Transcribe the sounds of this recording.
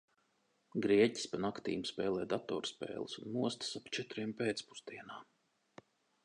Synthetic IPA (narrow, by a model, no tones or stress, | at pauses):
ɡɾiɛci̥spanakt̪ḭːmspɛːlˠɛːd̪at̪ɔ̰ːɾspḛːlˠɨsunːuɔst̪i̥sapt͡ʃɛt̪ɾiɛmpeːt̪spu̥st̪iɛnaː